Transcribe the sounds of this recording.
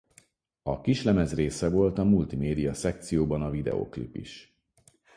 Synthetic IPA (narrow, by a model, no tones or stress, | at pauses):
ɒkiʃlɛmɛzreːsɛvo̞lt̪ɒmult̪imeːd̪ijɒsɛk̚t̪sijoːbɒnɒvid̪ɛ̰o̰ːklḭpːḭʃ